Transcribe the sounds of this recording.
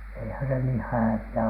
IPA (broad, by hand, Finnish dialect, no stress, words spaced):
eihæ se niː hæʋiæ